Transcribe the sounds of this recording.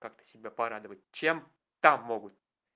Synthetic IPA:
kakt̪ə̥sʲɪbʲapɐɾad̪əvət̚ʲt͡ɕem | t̪amːoɡʊt̪

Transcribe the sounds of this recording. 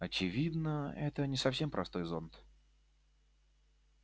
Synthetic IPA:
ɐt͡ɕɪvʲid̪nəɛt̪ənʲɪsɐfsʲe̞mpɾʔɐst̪o̞jzo̞nt̪

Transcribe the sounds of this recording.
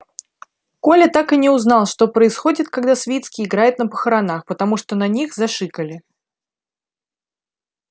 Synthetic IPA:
ko̞lʲət̪akɨnʲɪʊznɑlˠʂt̪o̞pɾəɪsxo̞dʲɪt̪̚kaɡd̪asvʲit̪skʲɪɪɡɾajʊt̪nəpə̥xəɾɐnaxpət̪ɐmuʂt̪onɐnʲixzɐʂɨkəlʲɪ

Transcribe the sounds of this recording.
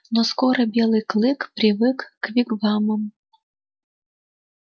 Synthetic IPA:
noskoɾəbʲelˠɨjklˠɨkpɾʲivɨkːvʲiɡvɑməm

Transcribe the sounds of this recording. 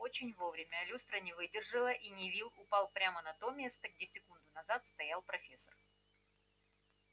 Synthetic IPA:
ot͡ɕɪnʲvo̞vɾʲɪmʲəlʲust̪ɾənʲɪvɨdʲɪrʐɨlˠəʔinʲɪvʲilˠʊpalˠpɾʲamənɐt̪omʲest̪əɡdʲesʲɪkund̪ʊnɐzat̪st̪ɐjalˠpɾɐfʲesːər

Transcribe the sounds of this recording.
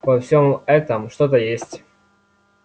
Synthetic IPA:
vɐfsʲomɛt̪əmʂt̪ot̪əjesʲtʲ

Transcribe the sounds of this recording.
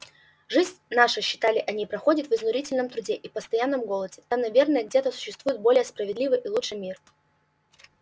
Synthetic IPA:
ʐɨzʲnʲnaʂɨɕːɪ̥t̪alʲɪʔɐnʲipɾɐxo̞dʲɪt̪vɨznʊɾʲitʲɪlʲnəmt̪ɾʊdʲe̞ʔipəst̪ɐjanːəmɡo̞lˠədʲɪt̪amnɐvʲe̞rnəjəɡdʲe̞t̪əsʊ̥ɕːɪst̪vujɪt̪̚bo̞lʲɪjəspɾəvʲɪd̪lʲivɨjʔilˠut͡ʂʂɨmʲir

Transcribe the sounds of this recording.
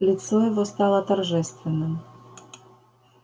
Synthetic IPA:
lʲɪt̪sɔjɐvɔst̪alˠət̪ɐrʐɛst̪vʲɪnːɨm

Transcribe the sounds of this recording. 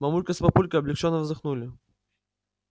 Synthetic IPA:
mɐmulʲkəspɐpulʲkəɐblʲɪkt͡ʃɔnːəvzɨxnulʲɪ

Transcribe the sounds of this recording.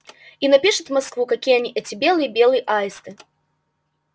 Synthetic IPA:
inapʲiʂɨt̪maskvukɐkʲijəɐnʲiʔɛt͡sʲɪbʲelˠɨjəbʲelˠɨjəʔajst̪ɨ

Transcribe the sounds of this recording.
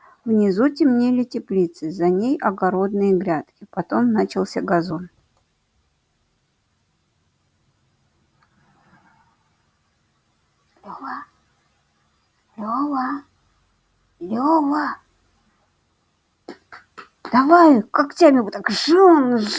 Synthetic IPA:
vnʲɪzutʲɪmnʲelʲɪtʲɪplʲit̪sɨzɐnʲejɐɡɐɾo̞d̪nɨjəɡɾʲat̪kʲɪpɐt̪o̞mnat͡ɕɪlˠsʲaɡɐzon | lʲova | lʲova | lʲova | d̪̥ɐvajkaktʲamʲɪbʊt̪akʐɨn

